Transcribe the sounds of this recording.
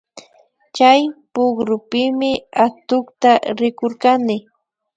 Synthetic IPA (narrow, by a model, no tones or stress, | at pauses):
t͡ʃajpʊɡɾʊpɪmɪat̪ʊkt̪aɾɪkoɾkanɪ